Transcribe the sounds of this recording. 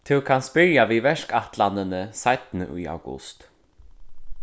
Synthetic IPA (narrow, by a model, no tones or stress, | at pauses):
t̪ʰɪwkʰanspɪɾjaʋiːvɛʂkaht̪lanənəsajt̪nə̰ʔṵːa̰wɡʊ̰st̪